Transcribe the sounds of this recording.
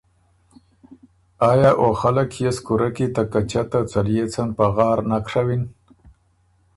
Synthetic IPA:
aːjaːʔoxalakjeskuɾakit̪akat͡ʃat̪at͡salijet͡sanpaɣɑːɾnakʂawin

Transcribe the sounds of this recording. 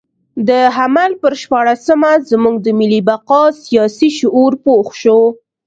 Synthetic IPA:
d̪əɦamalpəɾʃpɑɽasəmazmuɡd̪əmɪlːibaqɑsijɑsiʃʊʔuɾpoxʃo

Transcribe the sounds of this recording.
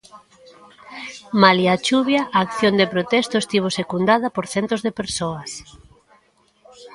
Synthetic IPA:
maliat͡ʃuβjaʔaːkθjond̪epɾot̪ɛst̪ʊest̪iβ̞osekund̪aðɐpoɾθɛnt̪ozðepeɾsoɐs

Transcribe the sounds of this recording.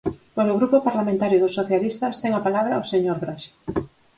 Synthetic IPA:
pwesoɣɾupopaɾlamẽnt̪aɾjoðosːoθjalist̪ast̪eŋapalaβɾaoseɲoɾɣɾaʃe̥

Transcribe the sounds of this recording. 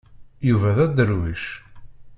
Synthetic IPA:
juvæðæd̪əɾwiʃ

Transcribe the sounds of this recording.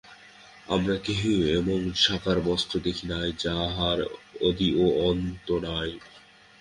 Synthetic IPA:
a̰mɾakeɦeweboŋʃakʰaɾbɔst̪ɾod̪ekʰinajd͡ʑaɦaɾod̪ioɔnt̪onaj

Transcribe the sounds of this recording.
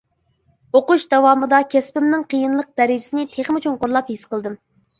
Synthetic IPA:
oquʃd̪ɛwɑːmɨd̪ɑkʲʰɛspɪmnɨŋqʰəjinlˠəq̚d̪ɛɾɪd͡ʒɪsɪnɪt̪ʰeχmut͡ʃʰunqʊɾlˠɑphisqəlˠd̪ɨm

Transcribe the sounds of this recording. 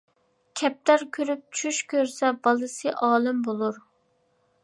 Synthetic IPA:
kʲʰɛp̚t̪æɾkʲʰøɾyp̚t͡ʃʰyʃkʲøɾsɛbɑlˠɨsɨʔɑːlˠɪmbolˠuɾ

